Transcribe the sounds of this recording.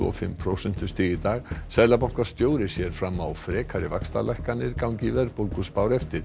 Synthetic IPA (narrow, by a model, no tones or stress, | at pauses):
ɔ̰fɪ̰mːpʰɾowsɛn̥t̪ʏ̥ɾst̪ʰiːɣit̪aːɣsɛðlapal̥kast̪joːwɾɪ̥sjɛɾ̥fɾamːawfɾɛːkʰaɾɪvakst̪a̰lajhkanːɪɾkawŋcɪvɛɾpowlkuspaːwɾɛft̪ɪɾ̥